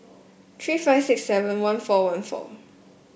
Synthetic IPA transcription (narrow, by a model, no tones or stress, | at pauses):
t̪ʰɹiːfaɪvsɪksːɛvə̃nwãnfɔwãnfɔ̰